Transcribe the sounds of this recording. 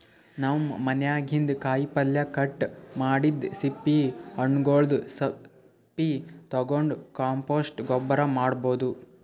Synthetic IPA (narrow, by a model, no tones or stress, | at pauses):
naʋmmɐnjaːɡʱind̪kaːjpɐljɐkɐʈːmaːɽid̪sipːiɐɳːɡoːɭd̪usɐ | pːit̪ɐɡoɳɖukaːmpoːsʈɡɔbːɐɾɐmaːɽboːd̪u